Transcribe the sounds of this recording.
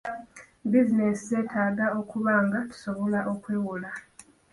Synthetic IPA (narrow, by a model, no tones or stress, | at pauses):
bizine̞sizetʰaːɡao̞kuβaːŋɡatu̥so̞βo̞laʔo̞kweːwula